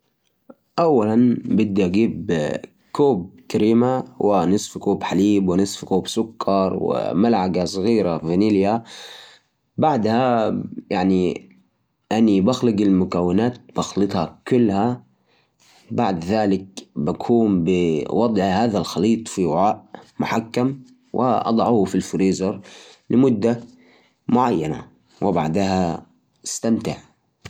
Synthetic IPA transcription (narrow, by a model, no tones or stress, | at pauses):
ʔawːalanbɪd̪ːaʔaɡiːb | koːb̚kaɾiːmawʔɪnɨsˤfkoːbħaliːbwɪnɨsˤfkoːbsʊkːɑɾˤwɪ̰malʕaɡasˤɣiːɾavɪnilja | baʕd̪hajʔaʕni | ʔanibaxlɪɡɪlmʊkawːɪnaːt̪̚b̥ɑxlɨt̪ˤhɑkʊlːha | baʕd̪ðaːlɪk̚bakʰuːmbɪwɑd̪ˤʕhaːðalxɑliːt̪ˤfiwɪʕaːʔmʊħakːam | wʔɪ̰ʔɑ̰d̪ˤɑʕuːfilfɾiːzɑɾˤlɪmʊd̪ːa | mʊʕajːana̰ | wɪbaʕd̪ha | ɪst̪amt̪ɪʕ